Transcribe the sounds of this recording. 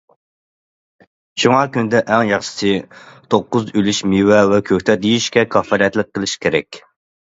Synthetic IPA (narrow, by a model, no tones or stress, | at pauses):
ʃuŋɑkʲynd̪ɛʔɛŋjɑχʃɪ̥sɨt̪ʰoqːʊzylyʃmiwɛwɛkʲʰøkʲt̪ʰɛd̪ejiʃkʲɛkʰɑfɑɾɛt̪lɪk̚ʲqʰːəlˠɪʃkʲʰeɾɛkʲ